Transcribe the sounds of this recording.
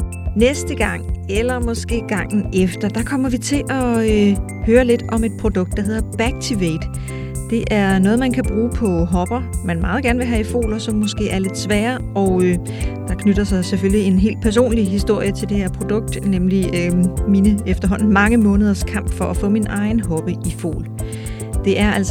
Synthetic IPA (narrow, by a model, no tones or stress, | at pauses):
nesd̥əɡ̥ɑ̈ŋ̰elɐmɒ̽sɡ̥e̝̰ːɡ̥ɑ̈ŋ̰n̩efd̥ɐd̥ɑ̈kʰɒ̽m̰ɐʋit͡sʰe̝ʔɒ̽ø | høːɐle̝d̥ɒ̽me̝d̥̚pʰʁo̝d̥ɔ̽ɡ̥̚d̥ːɑ̈ɦe̝ð̰ˠɐb̥æɡ̥̚t͡sʰiʋed̥ | d̥e̝ʔæɐnɔ̽ːð̩ˠmænkʰæb̥ʁuːpʰɒ̽ɦɒ̽b̥ɐmænmɑ̈ːð̞̩ˠɡ̥æɐnʋe̝ɦæifo̝̰ːlɐsɒ̽mːɔ̽sɡ̥e̝̰ːæɐle̝d̥ˠsʋɛːɐ | ɒʊø | d̥ɑ̈kʰnøɾ̥ɐsɑ̈ɪseføljie̝nɦe̝̰ːld̥̚pʰæɐs̬o̝̰ːnliɦisd̥o̝ɐ̰jət͡sʰe̝ld̥e̝heɐ̰pʰʁo̝d̥ɔ̽ɡ̥̚d̥nemliøminəefd̥ɐɦɒ̽n̰n̩mɑ̈ŋəmɔ̽ːnəð̞ˠɐskʰɑ̈m̰b̥fɒʔæfɔ̰̽ːminʔɑ̈ɪn̩ɦɒ̽b̥əʔifo̝̰ːl | d̥e̝ʔæɐæl̰s